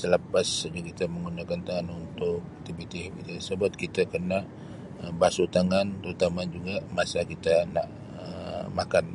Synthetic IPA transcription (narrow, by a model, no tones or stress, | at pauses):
sələpasɡakit̪aməŋɡunakant̪aŋanunt̪ʊk̚t̪ibit̪ibit̪əsəbat̪̚kit̪akərna | əbasut̪aŋant̪əɾut̪amad͡ʒuɡamasakit̪anaʔ | əmakan